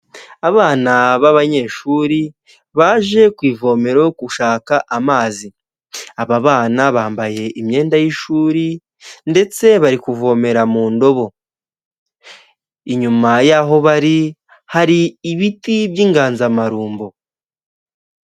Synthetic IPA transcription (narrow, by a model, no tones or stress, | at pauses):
aβaːnaβaβaɲe̞ːʃuːɾi | βaːʒe̞kwiːvo̞me̞ɾokuʃaːkaʔamaːzi | aβaβaːnaβaːmbaje̞ʔimɲe̞ːndajiʃuːɾi | nde̞t͡se̞βaɾikuvo̞me̞ɾamuːndo̞βo̞ | iɲumajaɦo̞βaɾi | haɾiːβitiβjiːŋɡaːnzamaɾuːmbo